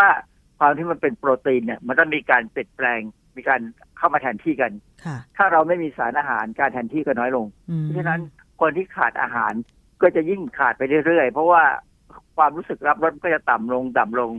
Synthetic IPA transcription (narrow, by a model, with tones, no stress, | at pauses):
waː˥˩ | kʰwaː˧mt̪ʰiː˥˩ma˧npe˧npɾoː˧t̪iː˧nːi˧˩ɐma˧nt̪ɔ˥˩miː˧kaː˧npi˨˩ət̪̚plɛː˧ŋ | miː˧kaː˧n | kʰa˥˩wmaː˧t̪ʰɛː˧nt̪ʰiː˥˩ka˧nʰ˩t̪ʰaː˥˩ɾa˧wma˥˩jmiː˧saː˩˦nʔaː˧ɦa̰ː˩˦nkaː˧nt̪ʰɛː˧nt̪ʰiː˥˩kɔ˥˩nɔː˦˥jlo˧ŋpʰɔ˦˥t͡ɕʰa˥˧na˦˥n | kʰo˧ənt̪ʰiː˥˩kʰa̰ː˨˩t̪̚ʔa̰ː˧ɦa̰ː˩˦n | kɔː˥˩t͡ɕa˨˩ji˥˩ŋkʰaː˨˩t̪̚pa˧jɾɯ˥˩jɾɯ˥˩əjpʰɔ˦˥waː˥˩ | kʰwaː˧mɾu˦˥sɯ˨˩k̚ɾa˦˥p̚ɾo˦˥t̪̚kɔː˥˩t͡ɕa˨˩t̪a˨˩mlo˧ŋd̪a˨˩mlo˧ŋ